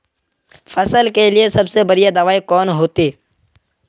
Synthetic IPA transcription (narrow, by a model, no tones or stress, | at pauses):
fʰɐsəlkeliesɐbsebɐɾijad̪aːʋaːikɔːnɦoːt̪eː